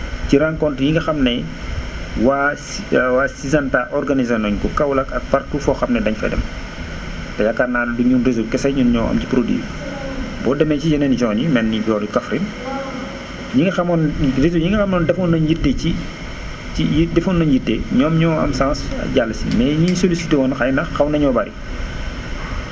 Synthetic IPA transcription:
ciɾaŋkɔntjiŋɡɐxɐmnɛ | wa | wasizantaʔɔrɡɐnizɐnɔɲkɔkɐwlɐkɐk̚pɐrtuːfɔːxɐmnɛdɐɲfɐ̰dɛ̰m | tɐjɐkːarnaːnduɲunrezulkɛsɐɲunɲɔːɐ̰mcipɾodḭː | bɔːdɐmɛcid͡ʒɐnɛnd͡ʒɔːnimɛnːibɔːdukɐfɾin | ɲiŋɡɐxɐmɔnrezuɲiŋɡɐxɐmnɔːndɛfɔnːɐɲjitːeci | iidɛfɔnːɐɲjitːeɲɔːmɲɔːɐ̰msãːsɐ̰ɟalːɐsḭmɛɲiɲsolisitewɔnxajnɐxɐwnɐɲɔbɐɾḭ

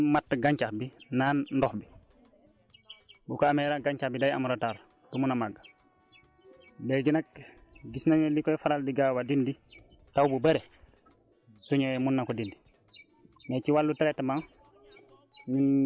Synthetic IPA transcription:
matːɡaɲt͡ʃaxbinaːnndɔxbi | bukɔamɛɾaɡaɲt͡ʃahbidaja̰muɾataːɾ | tumunamaɡːa | bɛɡinak̚ɡisnaɲɔlikɔjfaɾaldiɡaːwadindi | tawbubɐɾɛ | suɲɔmunːakɔdindi | mɛːciwalːutɛɾɛtːmaŋ | nin

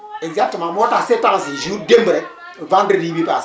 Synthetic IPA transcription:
ezatimamotasetaŋsiʒudemɾɛ | vandɾeɾibipa

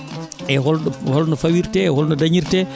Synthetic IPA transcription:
ɛɦɔlhɔlnɔfawiɾtɛɛhɔlnɔdaɲiɾtɛ

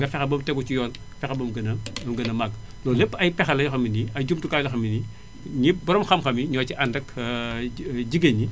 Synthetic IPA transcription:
ŋɡɐfɛxɐbɐmtɛɡut͡ʃijɔːl | fɛxɐbɐmɡɐnɐmɡɐnɐmak | lɔːlepːɐjpɛxɐlɐjxɐminiɐɟumtukaːjlɐxɐmini | ɲibɐɾɔmxɐmxɐmiɲɔːciʔandɐkː | ɟiɡɐɲi

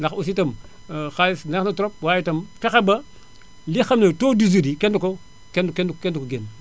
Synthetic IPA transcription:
ndɐxus̬itɐm | xasnnɐtuɾop̚waːjitɐmkɐxebɐ | lixɐmnetoːdizudikenduko | kenkenkendukoɡen

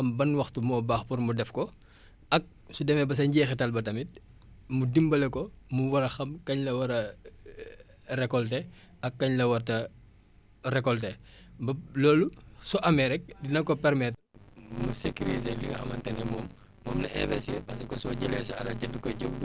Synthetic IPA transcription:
ɐmbɐnwɐxtumɔːbaːxpuɾmudɛfkɔ | ɐk̚sudɛmɛbɐs̬ɐɲɟɛːxɛtɐlbɐtɐmit̚ | mudimbɐlɛkɔmuwɐɾɐxɐmkɐɲlɐwɐɾɐ | rɛkɔltɛ | ɐkːɐɲlɐwɐrtɐ | ɾɛkɔltɛbɐlɔːlusɔʔɐmɛɾɛk̚dinɐkɔpɛɾmɛt | musekuɾiteliɡɐxɐ̰mɐ̰ntɐŋɛmɔːmː | ɔ̰mlɐʔɛ̰bɛsɛpɐsɐkɔsɔɟɛlɛsiɐ̰ɾɐɟɐdukɔɟebdu

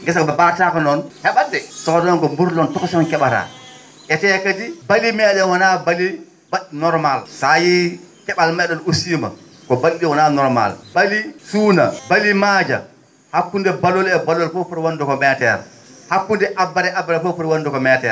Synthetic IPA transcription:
ŋɡɛs̬abɛbatakɔnɔnhɛɓadɛsɔkɔdɔnkɔmbuɾlɔntɔksɔnkɛɓata̰ | ʔɛtɛkad͡ʒibalimɛːɗɔnwanabali | baɗnɔɾmalsajikɛɓalmɛɗɔnusiːma̰ | kɔbalɗiwananɔɾma̰lbalisuːnabalimaːd͡ʒa̰ | hakːundɛbalɔlɛbalɔlfɔpɔɾwandukɔmɛtɛ̰ɾ | hakːundɛʔabːaɾɛʔabːaɾɛfɔfuɾwandukɔmɛtɛ̰ɾ

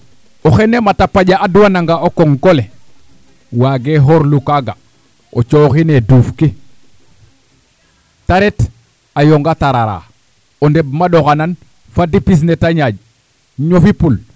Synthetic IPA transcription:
oxenematapaɟaaduwanaŋɡaokoŋkole | waɡeɦoɾlukaɡa | ot͡ʃoxineduːfki | taɾet | ajoŋɡataɾaɾa̰ | ondeb̚maɗoxanan | fadipis̬netaɲaɟ | ɲofipul

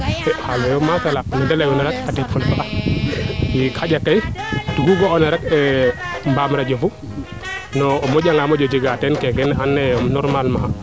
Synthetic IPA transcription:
ɛhalɛjɔmakalanɔdɛlajɔnɛɾak̚atɛfɔlfaʔa | ikʰaɟakːajtuɡuɡɔɔnɛɾakɛmbamɾad͡ʒɔfu | nɔmɔd͡ʒaŋamɔd͡ʒɔd͡ʒiɡatɛnkɛɡɛnanːɛnɔɾmalma

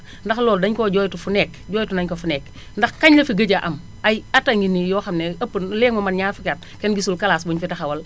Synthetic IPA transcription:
ndɐxlɔːldɐɲkoɟɔːjtufunɛːkɟɔːjtunɐɲkofunɛk | ndɐxkɐɲlɐfiɡɐɟaʔɐm | ajataŋɡinijɔːxɐmnɛɐpːənlɛːŋmɐmɐnɲaːfikat̚ | kɛnɡisulkɐlaːsbuɲfitɐxɐwɐl

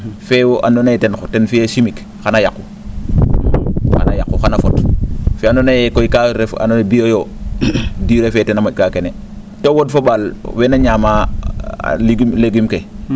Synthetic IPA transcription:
fewoʔa̰ndonatentenfijesimik | xanajakːu | xa̰najakːuxanafotfiandonajekoikaɾefa̰nonebiojo | diɾefetenamaɟ̚kakene | towodfobalwenaɲama̰ | liɡmleɡimke

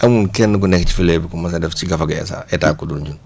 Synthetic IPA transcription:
ʔɐmunkɛnːək̬ɔnɛkːci̥filɛbikumɐsadɛfciɡɐfɐɡɐɛ̰sa̰ːɛtaːkːudunɟun

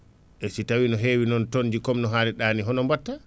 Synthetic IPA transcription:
ɛsitawinɔɦeːwinɔntond͡ʒikɔmnɔɦaːlɛɗaːniɦɔnɔmbatːa

